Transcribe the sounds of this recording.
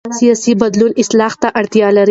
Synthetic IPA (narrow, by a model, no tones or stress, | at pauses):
sijɑsibad̪lunɪslɑht̪aʔaɽt̪jɑlaɾ